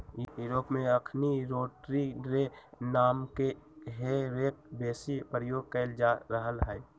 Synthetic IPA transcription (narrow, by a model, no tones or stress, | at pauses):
juɾoːpmẽəkʰniɾoːʈɾiɾenaːmkeɦeɾeːk̚beːsipɾəjoːɡ̚kəɪld͡ʒaɾəɦəlɦɛː